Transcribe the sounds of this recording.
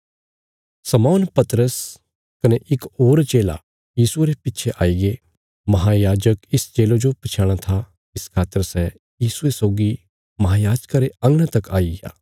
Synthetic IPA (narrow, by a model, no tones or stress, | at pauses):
sɐmaːnpɐt̪əɾəs | kɐneʔɪkoːɾt͡ʃeːla̰ | jiːsueɾepɪtːt͡ʃʰeʔaːiɡe | mɐɦajaːd͡ʒəkɪst͡ʃeːlod͡ʒopɐt͡ʃʰaːɽ̃at̪ʰa | ɪskʰaːt̪ːəɾsɛ | jiːsuesɔːɡi | mɐɦaːjaːd͡ʒkaɾeɐ̃ŋɡɽ̃ãt̪ɐkʰaːiɡa̰ː